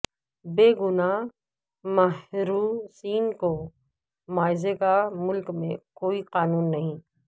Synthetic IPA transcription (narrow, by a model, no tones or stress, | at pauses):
beːɡʊna | mɐɦɾuːsiːnko | maːɪzekamʊlkmẽkoːiqaːnuːnːɐɦĩ